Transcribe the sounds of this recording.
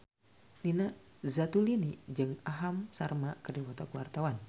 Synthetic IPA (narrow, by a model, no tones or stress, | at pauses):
nina | zat̪ulinid͡ʒɨŋaɦamsarmakərdiwɔt̪akəwart̪awan